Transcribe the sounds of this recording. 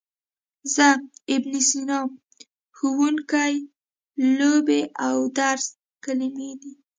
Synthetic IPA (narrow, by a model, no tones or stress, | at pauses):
zaɪbnisinɑm | xuwuŋkaj | lobeʔawd̪aɾs | kalimed̪i